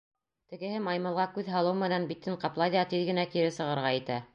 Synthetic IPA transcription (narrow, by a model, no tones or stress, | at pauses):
t̪ɘ̆ɡɘ̆hɘmɑjmɤ̆lˠʁɑkʉðɦɑlˠɤwmɘ̆nænbit̪ːɘɴqɑplˠɑjðɑt̪iðɡɘ̆nækiɾɘsɤ̆ʁɤ̆ɾʁɑɘ̆t̪æ